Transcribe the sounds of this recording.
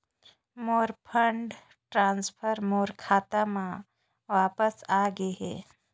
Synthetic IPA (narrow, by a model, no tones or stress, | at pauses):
moːɾpʰə̃ɳɖ | ʈɾãːnspʰəɾmoːɾkʰaːt̪amã | ʋaːpəsaɡeɦḛː